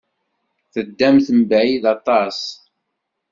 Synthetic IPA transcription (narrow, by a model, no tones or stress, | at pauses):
θəd̪ːæmθəmbʕiðɑt̪ˤɑsˤ